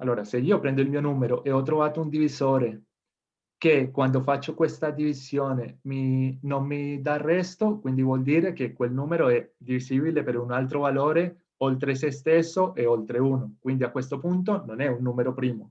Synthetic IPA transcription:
alːoːɾaseiːopɾɛnd̪oilmiːonuːmeɾoʔeɔt̪̬ːɾovaːt̪ound̪ivizoːɾe | kekːwand̪ofat͡ʃːokwest̪ad̪ivizjoːneminommid̪arːɛst̪okwind̪ivwɔld̪iːɾekekːwelnuːmeɾoɛd̪iviziːbilepeɾunalt̪̬ɾovaloːɾe | olt̪ɾes̬est̪esːoʔeolt̪ɾeunokwind̪iakwest̪opunt̪̬ononɛunːuːmeɾopɾiːmo

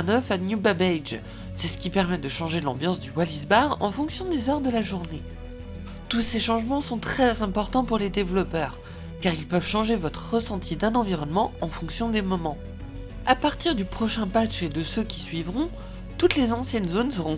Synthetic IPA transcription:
nœfanjubabɛjd͡ʒ | sɛsə̥kʲipɛʁmɛd̪əʃɑ̃ʒelɑ̰̃bjɑ̃sd̪ywalizbaʁɑ̰̃fɔ̃ksjɔ̃d̪ezœʁd̪əlaʒuʁne | t̪useʃɑ̃ʒmɑ̃sɔ̃t̪χɛzɛ̃pɔʁt̪ɑ̃puʁled̪evlɔpœːʁ | kaʁilpœvʃɑ̃ʒevɔt̪χəʁəsɑ̃t̪ʰid̪ɛ̃nɑ̃viʁɔnmɑ̃ɑ̃fɔ̃ksjɔ̃d̪emɔmɑ̃ | apaʁt̪iʁd̪ypχɔʃɛ̃pat͡ʃed̪əsøkʲi̥sɥivʁɔ̃ | t̪ut̪lezɑ̃sjɛnzonsəʁɔ̃

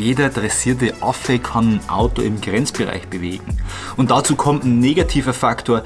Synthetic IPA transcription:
jeːdɐdʁɛsiːɐt̬əʔafəkʰannʔa̰ʊtoɪmɡʁɛnt͡sb̥əʁa̰ɪçb̥əvḛːɡŋ̩ | ʊnt̚d̥at͡suːkʰɔmtn̩ːeːɡatʰiːvɐfaktʰoːɐ

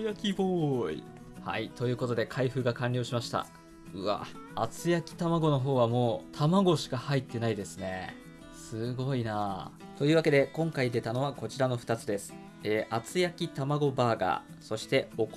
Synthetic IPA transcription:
jakʲiboːḭ | ha̰it̪o̞jɯ̟ːko̞t̪o̞d̪e̞kʰaiɸɯ̟ːɡakãnʲɾʲo̞ːɕimaɕi̥t̪a̰ | ɯ̟a̰at͡sɨjakʲi̥t̪amaɡo̞no̞ɦo̞ːβ̞amo̞ːt̪ʰamaɡo̞ɕi̥kahait̪ːe̞naid̪e̞sɨne̞ | sɨɡo̞ina | t̪o̞jɯ̟ːβake̞d̪e̞kõ̞ŋkaid̪e̞t̪ano̞βako̞t͡ɕiɾano̞ɸɯ̟t̪at͡sɨd̪e̞sɨ̥ | eːʔat͡sɨjakʲit̪amaɡo̞baːɡa̰ | so̞ɕi̥t̪e̞o̞k

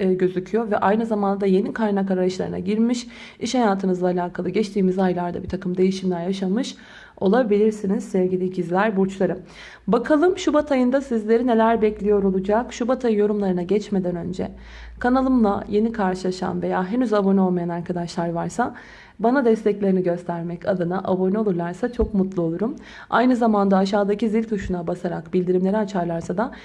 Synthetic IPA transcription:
ɟø̞zycʰyjo̞vɛʔajnɯzamand̪ad̪aje̞nikʰaɾnakaɾaaʃlˠa̰ɾɯna̰ɟiɾmiʃ | iʃhajaːt̪ʰɯnɯzlˠaːlʲaːkʰalˠɯɟɛt͡ʃt̪ʰiːmizajlˠaɾd̪a̰biɾt̪ʰakɯmd̪e̞jiʃimlʲæɾjaʃamɯʃ | o̞̰lˠabilʲiɾsinizsɛvɟilʲiɟizlʲæɾbuɾt͡ʃlˠaɾɯm | bakʰalˠɯmʃubat̪ʰajɯnd̪asizlʲe̞ɾine̞lʲæɾbɛclʲijo̞ɾo̞lˠud͡ʒakʃubat̪ʰajɯjo̞ɾumlˠaɾɯnaɟɛt͡ʃme̞d̪ænø̞nd͡ʒɛ̰ | kʰanalˠɯmlˠa̰je̞nikʰaɾʃɯlˠaʃa̰nve̞jaːɦenyzabono̞lˠmajanaɾkʰad̪aʃlˠaɾvaɾsa | banad̪ɛst̪ʰɛclʲe̞ɾiniɟø̞st̪ʰæɾmɛcʰad̪ɯnaʔabo̞no̞lˠuɾlˠaɾsat͡ʃʰo̞kmut̪lˠuo̞lˠuɾum | a̰jnɯzamand̪aːʃ̬aːd̪acizilʲt̪ʰuʃunabasaɾakbilʲd̪iɾimlʲe̞ɾiat͡ʃʰaɾlˠaɾsad̪a

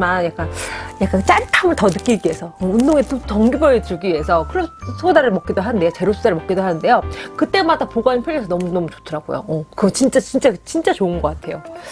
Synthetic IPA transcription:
manjak͈anjak͈ant͡ɕ͈aɭtʰamɯɭtʌnɯk͈iɡie̞sʰʌʌundoŋetot͡ɕʌŋɡibʌet͡ɕuɡiiesʰʌkɯɾʌsʰodaɾɯɭmʌk͈idoɦanɯnde̞jot͡ɕe̞ɾosʰod̥aɾɯɭmʌkidoɦanɯnde̞jokɯt͈e̞madapoɡwaɲinpʰjʌɾjesʰʌnʌmunʌmut͡ɕo̥tʰɯɾaɡo̰jo̰ʌkɯɡʌt͡ɕint͡ɕ͈at͡ɕint͡ɕ͈at͡ɕint͡ɕ͈at͡ɕoɯnɡʌk͈atʰe̞jo

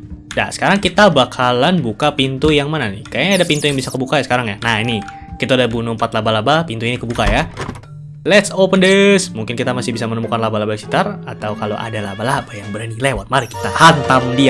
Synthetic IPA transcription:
da̰sə̥kaɾaŋkit̪abakʰalanbukapint̪ujaŋmananikaadapint̪ujaŋbisakəbukajasə̥kaɾaŋjanahini | kit̪adahbunumpat̪labalabapint̪uinikəbukaja | lɛt̪sopəndəsmuŋkɪnkit̪amasɪhbisamənəmukanlabalabasi̥t̪arat̪awkalo̰ʔa̰dalabalabajaŋbəɾanilewat̪̚maɾiki̥t̪ahant̪amdia

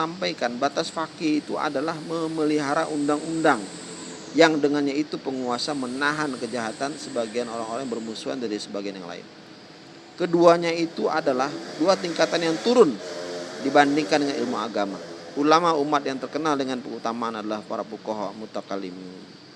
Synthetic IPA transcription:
ampajkanbat̪asfakiit̪uʔa̰dalahməməliɦaɾaʔundaŋundaŋ | jaŋdəŋanɲait̪upəŋuasamənaɦankəd͡ʒaɦat̪ansəbaɡianoɾaŋoɾaŋbərmusua̰ndaɾisəbaɡianja̰ŋla̰ɪ̰n | kəduaɲait̪uadalahduat̪iŋkat̪anjaŋt̪uɾʊndibandiŋkandəŋanilmuaɡama̰ʔulamaumat̪̚jaŋt̪ərkənaldəŋanpəŋut̪amaanadalahpaɾapukɔɦmut̪akalimiun

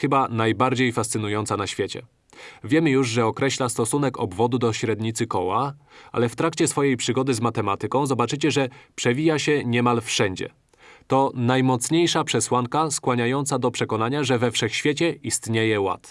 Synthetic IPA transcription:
xɘbanajbaɾd͡ʑejfast̪sɘnujɔnt̪sanaɕfʲjet͡ɕɛ̰ | vʲjɛmɘjuʐʐɛɔkɾɛɕlast̪ɔsunɛkɔbvɔd̪ud̪ɔɕɾɛd̪ɲit̪sɘkɔwaʔa̰lɛft̪ɾakt͡ɕɛsfɔjejpʂɘɡɔd̪ɘzmat̪ɛmat̪ɘkɔ̃w̃zɔbat͡ʂɘt͡ɕɛʐɛpʂɛvʲijaɕɛɲɛmalfʂɛɲd͡ʑɛ̰ | t̪ɔnajmɔt̪sɲejʂapʂɛswaŋkaskwaɲajɔnt̪sad̪ɔpʂɛkɔnaɲaʐɛvɛfʂɛxɕfʲet͡ɕɛʔist̪ɲejɛwa̰t̪

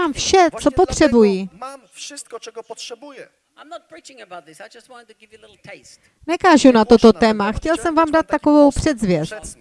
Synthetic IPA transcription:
amfʃɛt͡sopot̪r̝̥ɛbujimamfʂɪst̪̚kɔt͡ʃɛɡɔpɔtʂɛbujɛ | ãjmnɔt̚pɹit͡ʃɪ̃ŋəbat̪̚d͡ʒst̚wɔ̃nɪ̃ŋtuɡɪvlɪɾl̩tʰes | nɛkaːʒunat̪ot̪ot̪ɛːmaxcɛlsɛmvaːmdat̪̚ːakovowpr̥ɛd̪zvjɛst̪

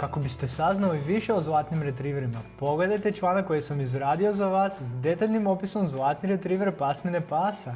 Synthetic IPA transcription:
kako̞bist̪e̞saznaliʋiʃeozlˠaːt̪nimɾe̞t̪ɾiːʋeɾimapo̞ɡle̞d̪ajt̪e̞t͡ʃlˠaːnakːo̞jesamizɾaːd̪io̞zaʋaːsːd̪e̞t̪aʎnimopiso̞mzlˠaːt̪niɾe̞t̪ɾiːʋeɾpasme̞nepaːsa

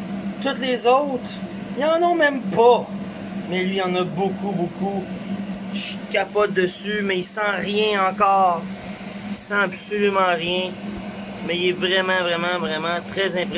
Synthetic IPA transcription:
t̪ʊt̪lezowt̪χjɑ̃nɔmɛ̃mpʰʌ | mɛlɥijɑ̃nʌbʊkubukʰu | ʃi̥kʲapɔt̪̚d̪əsymɛisɑ̃ʁjɛ̃ɑ̃kɔːʁ | isɑ̃absolymɑ̃ʁjɛ̃ | mɛilɛvʁɛmɑ̃vʁɛmɑ̃vʁɛmɑ̃t̪χɛzɛ̃pʁe

